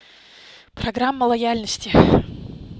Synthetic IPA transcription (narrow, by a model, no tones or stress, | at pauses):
pɾɐɡɾamːəlˠɐjalʲnəsʲtʲɪ